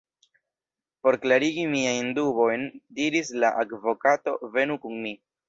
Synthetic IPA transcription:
po̞ɾklaɾiɡimiajndubo̞jndiɾislaʔaɡvo̞kato̞ve̞nukuŋmi

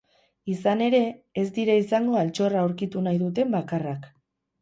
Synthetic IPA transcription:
isane̞ɾe̞ːzd̪iɾaisaŋɡo̞alt͡ʃo̞raoɾkit̪unajðut̪̬e̞mbakarak

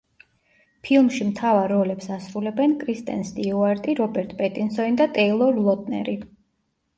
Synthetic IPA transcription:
pʰilˠmʃimt̪ʰavaɾːɔlɛpsasɾulɛbɛnkʰʼɾist̪ʼɛ̰nsd̪iuaɾt̪ʼiɾɔbɛɾt̪ʼpʼɛt̪ʼinsɔnid̪at̪ʼɛilˠɔɾlˠɔt̪ʼnɛ̰ɾi

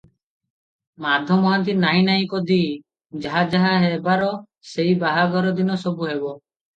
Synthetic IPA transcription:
mad̪ʱjɔmɔɦant̪̬inaĩnaĩkɔd̪i | d͡ʒaɦad͡ʒaɦaɦebaɾɔ | seibaɦaɡɔɾɔd̪inɔsɔbuɦebɔ

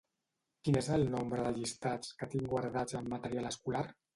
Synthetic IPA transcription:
kinezəlˠnombɾəðəʎist̪at͡skət̪iŋɡwaɾðad͡zəmːət̪əɾjaləskulaɾ

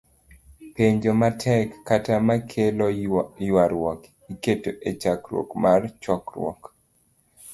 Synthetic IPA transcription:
peɲd͡ʒomatʰɛkːatamakʰelɔjwaɾwɔk | iketoʔet͡ʃakɾwo̰kmart͡ʃɔkɾwɔ̰k

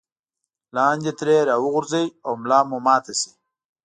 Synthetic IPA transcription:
lɑːnʲd͡ʒet̪ɾeːɾaːwʊɣʊɾzajawmlɑːmumɑːt̪esi̥

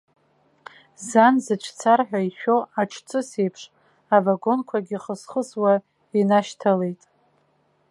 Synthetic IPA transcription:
zanzɨʈ͡ʂʰt͡sʰarħʷᶣaiʃᶣoaʈ͡ʂʰt͡sʰʼɨsejpʰʂ | avaɡo̞nkʷʰaɡʲiχəsχəswa | inaʃtʰale̞jtʼ

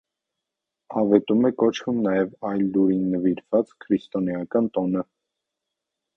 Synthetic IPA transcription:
ɑvɛt̪umɛkɔt͡ʃʰumnɑjɛvɑjlːuɾinːəviɾv̥ɑt͡skʰɾist̪ɔnjɑkɑnt̪ɔnə

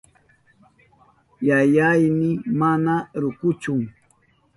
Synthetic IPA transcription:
jajajnɪmanaɾʊkʊt͡ʃʊŋ

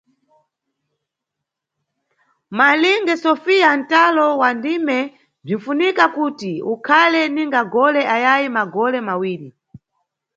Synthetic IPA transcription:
maliŋɡɛsɔfian̩talɔwandimɛ | b͡ʐiɱ̩funikakutiukʰalɛniŋɡaɡɔlɛʔajajimaɡɔlɛmawiːɾi

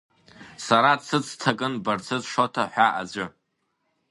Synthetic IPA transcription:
saɾat͡sʰɨt͡sʰtʰakʼɨnbart͡sʰɨzʂotʰaħʷᶣaʔa̰d͡ʒʷɨ

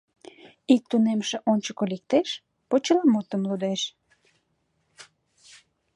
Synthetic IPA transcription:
ik̚t̪unemʃeʔonʲt͡ɕəkolik̚t̪eʃ | pot͡ɕəlɑmot̪əmlud̪eʃ

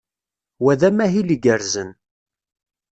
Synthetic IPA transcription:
wæðæmæɦiliɡəɾzən

